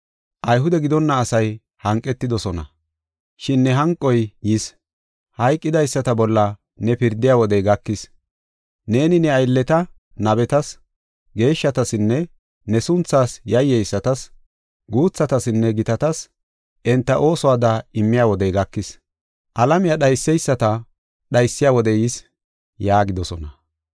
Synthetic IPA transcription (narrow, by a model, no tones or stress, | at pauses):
ʔɐjɦʊd̪ɛɡɪd̪ɔnːɐːsɐj | hɐŋkʼːɛt̪ːɪd̪ɔsɔnɐ̰ | ʃɪnːɛɦɐŋkʼːɔjjɪs | hɐjkʼːɪd̪ɐjsːɐt̪ɐbɔlːɐ | nɛpɪɾd̪ɪjaːwɔd̪ɛjɡɐkːɪs | ne̞ːnɪnɛɐjlːɛt̪ɐ | nɐbɛt̪ɐs | ɡe̞ːʃːɐt̪ɐsɪnːɛ | nɛsʊnt͡sːaːsjɐjːɛjsːɐt̪ɐs | ɡuːt͡sːɐt̪ɐsɪnːɛɡɪt̪ɐt̪ɐs | ʔɛnt̪ːɐʔo̞ːsɔwaːd̪ɐɪmːɪjaːwɔd̪ɛjɡɐkːɪs | ʔɐlɐmɪjaɗɐjsːɛjsːɐt̪ɐ | ɗɐjsːɪjaːwɔd̪ɛjɪs | jaːɡɪd̪ɔsɔnɐ